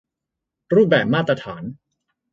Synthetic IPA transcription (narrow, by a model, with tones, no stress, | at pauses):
ɾuː˥˩p̚bɛː˨˩p̚maː˥˩t̪ːɾa˧t̪ʰaː˩˦n